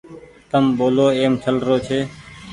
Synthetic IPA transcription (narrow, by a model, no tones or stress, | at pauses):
t̪əmɓoːloːeːmt͡ʃʰəlɾoːt͡ʃʰeː